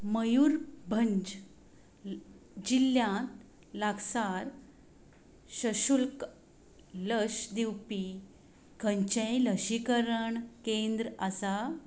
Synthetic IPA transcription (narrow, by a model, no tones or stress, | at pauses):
məjuɾbʱəɲd͡ʑ | d͡ʑilːjã | laɡsaɾ | ɕəɕulk | ləɕd̪iwpi | kʰə̃ɲt͡ɕẽləɕikəɾəɳkend̪ɾəasa